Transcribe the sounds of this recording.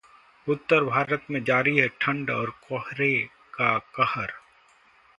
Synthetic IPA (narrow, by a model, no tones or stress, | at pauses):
ʊt̪ːəɾbʱaːɾət̪mẽd͡ʒaːɾiɦɛʈʰɐ̃ɳɖɔːɾkɔhɾe | kakəhəɾ